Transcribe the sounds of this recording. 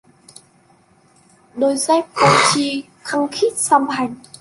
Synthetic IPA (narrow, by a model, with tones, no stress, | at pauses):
ɗo˧˩jzɛ˧˦˥p̚ko˧t͡ɕi˧ | xə˧ŋ͡mxi˦˥t̚sa˧mɦa˨˩jŋ